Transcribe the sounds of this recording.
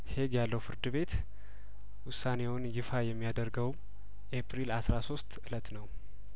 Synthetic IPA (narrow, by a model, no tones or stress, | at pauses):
he̞ɡjalːəwfɨɾd̪ɨβe̞t̪ | wʊsːane̞wʊnjɪfajɛmːijad̪əɾɡəw | ʔepɾilasɾaso̞st̪ʔɨlət̪nəw